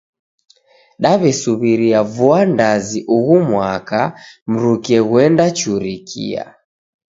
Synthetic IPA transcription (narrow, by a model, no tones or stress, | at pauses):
ɗaβɛsuβiɾiavuandaziʔuɣumwakam̩ɾukiɛɣwɛndat͡ʃuɾikʰḭa̰